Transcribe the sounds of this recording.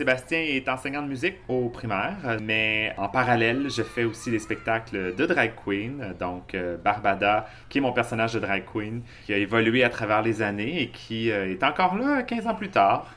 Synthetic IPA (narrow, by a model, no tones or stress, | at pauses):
sebast̪jɛ̃ɛt̪ɑ̃sɛɲɑ̃d̪əmyzɪkopχimɛːʁmɛɑ̃paʁalɛlʒəfɛosilespɛk̚t̪akləd̪əd̪ʁajkʰːwind̪ɔ̃købaʁbad̪a | kʲiɛmɔ̃pɛʁsɔnaʒd̪əd̪ʁajkʰwin | kʲiaevɔlyɥeat̪χavɛːʁlezaneekʲʰiøɛt̪ɑ̃kɔʁlakʲɛ̃zɑ̃plyt̪aːʁ